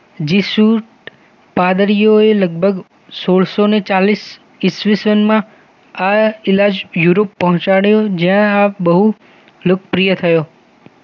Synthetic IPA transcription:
d͡ʒisuʈ | pad̪əɾijoeləɡ̚bʱəɡ | soɭsonet͡ʃalis | isʋisʋənmã | aɪlad͡ʒjuɾopːəɦɔ̃t͡ʃaɽjod͡ʒjãabəɦu | lokpɾijət̪ʰəjo

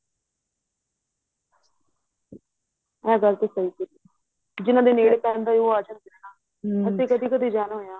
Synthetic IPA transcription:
ɛ̃ːɡəɾt̪eːsəiːkəɾiː | d͡ʒɪnãːd̪eːneːɽeːpɛːnd̪aːioːaːd͡ʒənd̪ɪɾnaː | əseːkəd̪iːkəd̪iːd͡ʒaːnɦoːjãː

